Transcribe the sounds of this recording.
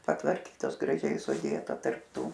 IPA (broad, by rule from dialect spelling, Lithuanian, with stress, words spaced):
pɐtʋɐrʲˈkʲiːtoːs ɡrɐˈʒʲɛɪ sʊˈdʲeːtɐ tɐrp ˈtuː